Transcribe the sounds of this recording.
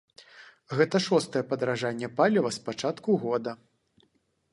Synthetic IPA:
ɣɛt̪ɐʂɔst̪ɐjɛpɐd̪ɾaʐanʲːɛpalʲɐvɐspat͡ʂat̪kuɣɔd̪ɐ

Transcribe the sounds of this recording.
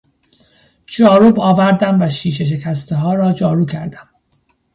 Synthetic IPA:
d͡ʒɒːɾubɒːvæɾd̪æmvæʃiːʃ̬e̞ʃ̬e̞cʰæst̪ʰeɦɒːɾɒːd͡ʒɒːɾuːcʰæɾd̪æm

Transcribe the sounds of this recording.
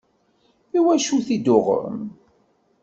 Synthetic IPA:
iwæʃuθid̪ʊʁə̰m

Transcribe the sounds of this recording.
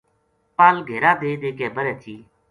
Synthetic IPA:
paːlɡʱeːɾaːd̪eːd̪eːkeːbəɾɛːt̪ʰiː

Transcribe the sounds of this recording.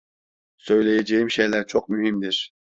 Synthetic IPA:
søjlɛjɛd͡ʒɛjimʃɛjlæɾt͡ʃʰoq̚myhimd̪ɪɾ

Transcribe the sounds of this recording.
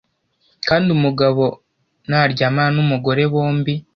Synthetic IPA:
kaːndiumuɡaβo̞ | naɾɟamanumuɡo̞ɾe̞βoːmbi

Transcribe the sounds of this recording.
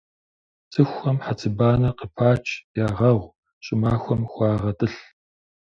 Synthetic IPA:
t͡sʰʼɨxʷɐmħat͡sʰɨbaːnɐqəpʰaːt͡ʃʰʼjaːʁɐʁʷ | ɕʼɪmaːxʷɔmxʷɑːʁɐtʼɨɬ

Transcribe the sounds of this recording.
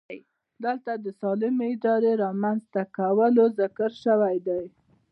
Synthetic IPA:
j | d̪əlt̪ad̪əsɑlɪmeɪd̪ɑɾeɾɑmanzt̪akawəlozɪkəɾʃəwajd̪aj

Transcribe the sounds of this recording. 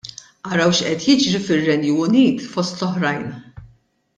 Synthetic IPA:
ʔɐɾɐwʃʔɛt̪jɪd͡ʒɾifɪrːɛnjuʊniːt̪fɔst̪lɔħɾɐjn

